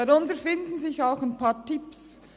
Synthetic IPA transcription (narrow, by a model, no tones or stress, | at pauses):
ɑɾʊntəɾfɪndn̩zɪçaʊxaɪnpɑːtɪps